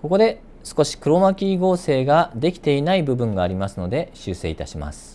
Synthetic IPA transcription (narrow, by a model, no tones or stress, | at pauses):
ko̞ko̞d̪e̞ | sɨ̥ko̞ɕi̥kɯ̟ɾo̞makʲiːɡo̞ːse̞ːɡad̪e̞kʲi̥t̪e̞inaibɯ̟bɯ̟̃ŋɡaːɾʲimasɨno̞d̪e̞ɕɨːse̞̰ːit̪aɕima̰sɨ̥